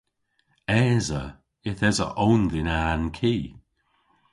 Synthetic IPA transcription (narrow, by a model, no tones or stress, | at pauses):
ɛːzə | ɪθɛzə̰ʔownðɪnaːnkʰiː